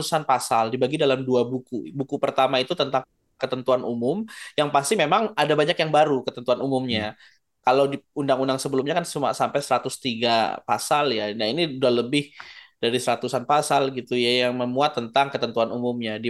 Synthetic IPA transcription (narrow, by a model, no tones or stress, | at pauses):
usanpasaldibaɡidalamduabukubukupərt̪amait̪ut̪ənt̪aŋ | kət̪ənt̪uanʔumʊmjaŋpast̪imemaŋadabaɲakjaŋbaɾukət̪ənt̪uanumumɲa | kalawdiundaŋundaŋsəbəlumɲakansuma̰ʔsampajsəɾat̪ʊst̪iɡa̰pasaljanainiudualəbɪhd̥aɾisəɾat̪usanpasalɡit̪ujajaŋməmuat̪ːənt̪aŋkət̪ənt̪uanumumɲadi